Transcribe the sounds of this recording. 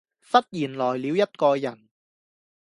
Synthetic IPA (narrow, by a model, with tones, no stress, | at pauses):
fɐ˥t̚jiː˨˩nlɔː˨˩jli˨˧wjɐ˥t̚kɔː˧jɐ˨˩n